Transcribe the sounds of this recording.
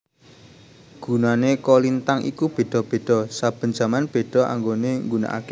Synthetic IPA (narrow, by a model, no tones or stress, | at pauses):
ɡ̥ṳnanekolint̪aŋʔḭkub̥e̤ɖ̪̥ɔ̤b̥e̤ɖ̥ɔ̤sab̥ə̤nd͡ʒ̥a̤manb̥e̤ɖ̥ɔ̤ʔa̰ŋɡoneŋɡuna̰ʔa̰ke